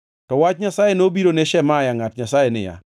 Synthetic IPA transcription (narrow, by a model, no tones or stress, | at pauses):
tɔwat͡ʃɲasajenobiɾoneʃɛmajaŋatɲasajenɪ̰ja̰